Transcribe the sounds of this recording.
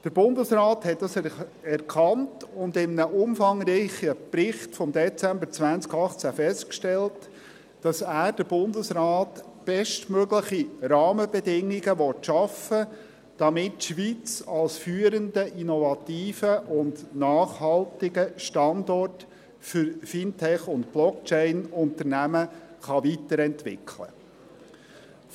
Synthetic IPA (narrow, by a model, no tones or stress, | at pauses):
d̥əɾb̥ʊndəsrɑːthɛt̚dɑs | ɛɾkʰχɑntʊndɪmnəʔʊmfɑŋɾiɪχəpɾɪχtfɔmd̪ɛt͡sæmbəɾt͡sʋænt͡skɑχt͡sæfɛstkʃtɛlt | d̥ɑsæːɾd̥əɾb̥ʊndəsrɑːt | b̥ɛʃtmøɡləχiɾɑːməbɛdɪŋːiɡəʋɔtʃɑfə | d̥ɑmɪtʃʋit͡sɑlsfyːəɾəndəʔinɔvɑtiːfəʔʊndnɑːχhɑltɪɡəʃtɑndɔrt | fʏɾfintʰɛχʊntb̥lɔkt͡ʃɛɪnʊntəɾnæməχɑʋitəɾɛntʋɪ̰kʰlə̰